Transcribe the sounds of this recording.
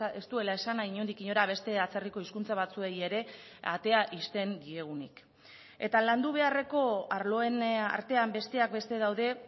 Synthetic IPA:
e̞st̪ue̞lae̞sanaiɲo̞nd̪ikiɲo̞ɾaβ̞e̞st̪e̞at͡seriko̞iskunt͡saβ̞at͡sue̞je̞ɾe̞a̰t̪e̞aʔist̪e̞ŋɡie̞ɣ̞unḭk | e̞̰t̪aland̪uβ̞e̞are̞ko̞aɾlo̞e̞na̰ɾt̪e̞ambe̞st̪e̞ak̚be̞st̪e̞ðawðe̞

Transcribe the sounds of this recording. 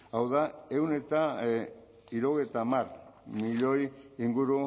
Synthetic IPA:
awðae̞wne̞t̪a | iɾoɣejt̪amarmiʎo̞jiŋɡuɾu

